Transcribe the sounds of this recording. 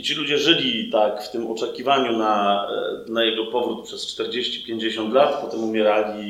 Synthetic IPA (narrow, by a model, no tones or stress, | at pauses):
t͡ɕilud͡ʑɛʐɘlʲit̪akft̪ɘmɔ̰t͡ʂɛkʲivaɲuna | najɛɡɔpɔvɾut̪̚pʂɛst͡ʂt̪ɛɾd͡ʑeɕt͡ɕi̥pʲjeɲd͡ʑeɕɔnt̪lat̪pɔt̪ɛmumʲjɛɾalʲi